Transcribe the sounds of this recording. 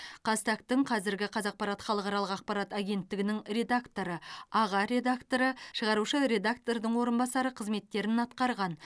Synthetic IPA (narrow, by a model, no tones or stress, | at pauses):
qʰɑst̪akt̪ɪɴqʰɑzɪɾɡʲɪqʰɑzɑq̚pɑɾɑt̪χɑlˠəqɑɾɑlˠəqɑq̚pɑɾat̪aɡʲe̞nt̪ːɪɡʲɪnɪŋɾe̞d̪akt̪o̞ɾəɑʁɑɾe̞d̪akt̪o̞ɾəʃəʁɑɾuʃəɾe̞d̪akt̪o̞ɾd̪əɴwo̞ɾənbɑsɑɾəqʰəzme̞t̪ːe̞ɾɪnɑt̪qɑɾʁɑn